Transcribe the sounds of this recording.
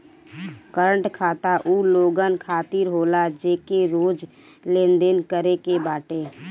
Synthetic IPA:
kəɾəɳʈkʰaːt̪aʔuːloːɡənkʰaːt̪iɾɦoːlad͡ʒeːkeɾoːd͡ʒ | lẽːnd̪enkəɾekebaːʈeː

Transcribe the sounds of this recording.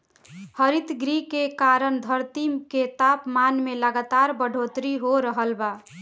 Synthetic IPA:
həɾit̪ɡɾikekaɾəɳd̪ʱəɾt̪imket̪apmanmeləɡat̪aɾbəɖʱot̪ɾiɦoɾəɦəlba

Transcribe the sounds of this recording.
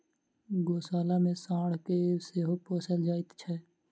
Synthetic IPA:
ɡoːsaːlamẽsãːɽ̤keseːɦopoːsəld͡ʒaːɪt̪t͡ʃʰɛː

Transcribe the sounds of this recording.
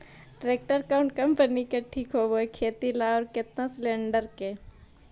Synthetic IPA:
ɖɾeːk̚ʈəɾkaʊ̃ɳʈ̚kɐmpənikeʈʰiːkɦoboekʰeːt̪ilaɔːɾkɪt̪naslẽːɳɖəɾkeː

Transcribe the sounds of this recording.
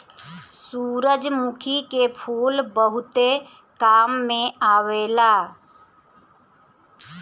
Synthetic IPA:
suːɾəd͡ʒmukʰikepʰuːlbəɦʊt̪e | kaːmːẽaːweːlaː

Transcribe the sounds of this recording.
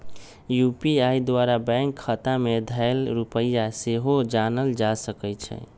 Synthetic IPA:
jupiaid̪waɾabɛ̃ŋkʰːət̪amed̪ʱaɪlɾupəjaseɦod͡ʒanəld͡ʒasəkət͡ʃʰɛ̰

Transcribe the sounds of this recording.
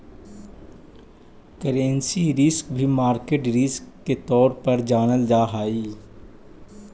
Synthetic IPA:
kəɾẽnsiɾɪskbʱimaːɾkeːʈɾɪskːet̪ɔːɾpɐɾd͡ʒaːnəld͡ʒaːɦaːiː

